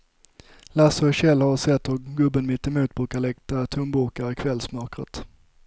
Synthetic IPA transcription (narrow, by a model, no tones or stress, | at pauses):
lasəɕɛlːhaɾsɛt̪ːɔɾɡɵbənmɪt̪ːɛmuːt̪̚bɾʉːkaɭɛk̚t̪at̪ʰɵmbʊɾkaɾɪkʰvɛlsmœɾkɾə̰t̪